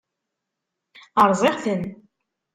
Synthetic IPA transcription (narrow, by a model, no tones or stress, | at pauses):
əɾˤzˤeʁθən